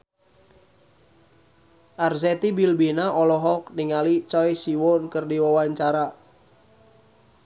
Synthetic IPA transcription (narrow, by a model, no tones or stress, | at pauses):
ʔarzɛt̪ibilbinaʔɔlɔɦɔk̚niŋalit͡ʃɔjsiwɔnkərdiwawaɲt͡ʃaɾa